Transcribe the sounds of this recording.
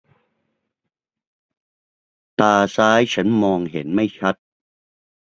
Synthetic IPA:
t̪aː˧saː˦˥jt͡ɕʰa˦˥nmɔː˧ŋɦḛ˩˦nma˥˩jt͡ɕʰa˦˥t̪̚

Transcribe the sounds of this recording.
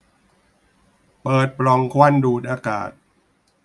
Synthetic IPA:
pɤː˨˩t̪̚pɾɔ˧ŋkʰwa˥˩˨nduː˨˩t̪̚ʔaː˧ka̰ː˨˩t̪̚

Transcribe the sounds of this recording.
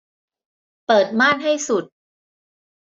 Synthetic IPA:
pɤː˨˩t̪̚maː˥˩nɦa˥˩jsu˨˩t̪̚

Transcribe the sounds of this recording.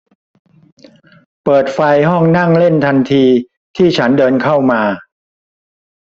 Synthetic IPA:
pɤː˨˩t̪̚fa˧jɦɔ˥˩ŋna˥˩ŋle˥˩nt̪ʰa˧nt̪ʰiː˧ | t̪ʰiː˥˩t͡ɕʰa˦˥ndɤː˧nkʰa˥˩wmaː˧

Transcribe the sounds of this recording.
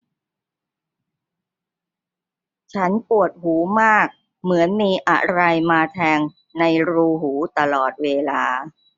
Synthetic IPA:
t͡ɕʰa˦˥npu˨˩ət̪̚huː˩˦maː˥˩k̚ | mɯ˩˦ənmiː˧ʔa̰˨˩ɾa˧jmaː˧t̪ʰɛː˧ŋ | na˧jɾuː˧ɦuː˩˦t̪a˧lɔː˨˩t̪̚weː˧laː˧

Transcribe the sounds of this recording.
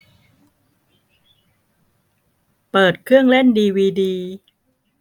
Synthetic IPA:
pɤː˨˩t̪̚kʰɾɯ˥˩əŋle˥˩ndiː˧wiː˧diː˧

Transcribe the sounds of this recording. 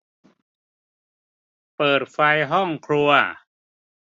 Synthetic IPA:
pɤː˨˩t̪̚fa˧jɦɔ˥˩ŋkʰɾu˧ɐ

